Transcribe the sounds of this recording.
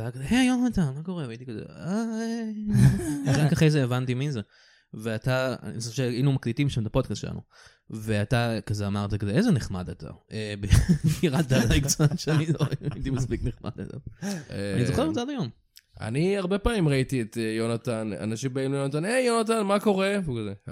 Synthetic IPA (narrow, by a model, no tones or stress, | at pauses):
akzeʔejo̞nat̪anmako̞ʁeait̪ikazḛae | ɡakaχejzeevant̪iminze | veata̰isʃeinumaklit̪imʃamt̪apod̚kast̪ʃela̰nṵ | veat̪akazeamaʁt̪akazeezeneχmad̪at̪ʰa̰ebebiʁat̚d̪alaiɡsanʃeaniloit̪imaspikneχma̰d̪a̰ta̰ | a̰nizoχeʁtadajo̞m | a̰niaʁbepaːmimʁait̪iet̪ejonatana̰naʃimbeinujonat̪̬anejonat̪̬anmako̞ʁeukaze